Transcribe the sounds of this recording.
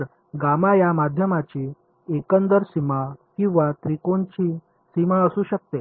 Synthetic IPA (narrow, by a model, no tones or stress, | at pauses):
əɾ | ɡamajamad̪ʱjəmat͡ɕiː | ekənd̪əɾsimakĩw̃ʋat̪ɾikont͡ɕiː | simaəsuːɕək̚t̪e